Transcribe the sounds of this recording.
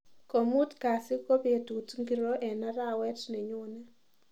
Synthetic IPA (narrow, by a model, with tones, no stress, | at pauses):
ko˨mu˦tka˨sɪ˦ko˦pe˨tu˨tŋɡi˨ɾo˦ʔɛ˨na˦ɾa˦wɛ˦tne˨ɲʊ˦nɛ˦